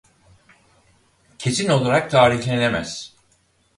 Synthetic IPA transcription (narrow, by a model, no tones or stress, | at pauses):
cʰe̞sino̞lˠaɾak̚t̪ʰaːɾiçlʲene̞mæ̰z̥